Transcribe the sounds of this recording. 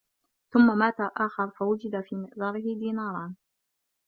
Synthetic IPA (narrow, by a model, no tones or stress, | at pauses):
θʊmːamaːt̪aʔaːxɑɾˤfawʊd͡ʒɪd̪afiːmɪʔðˤɑːɾɪhɪd̪iːnɑːɾˤɑn